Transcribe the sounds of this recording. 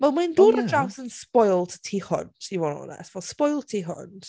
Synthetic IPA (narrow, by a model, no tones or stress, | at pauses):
vɛlˠminduːɾədrawsənspɔjlˠtʰtʰiːhʊ̰nd̥ivɔnɔ̰nɛ̰svɛlˠspɔjlˠtʰiːɦʊ̰nd̥